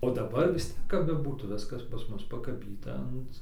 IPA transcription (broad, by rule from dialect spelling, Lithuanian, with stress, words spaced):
oː dɐˈbɐr ʋʲɪs ˈtʲiɛk kɐp bʲɛˈbuːtuː ˈʋʲɪskɐs pɐs ˈmʊs pɐkɐˈbʲiːtɐ ˈɐnt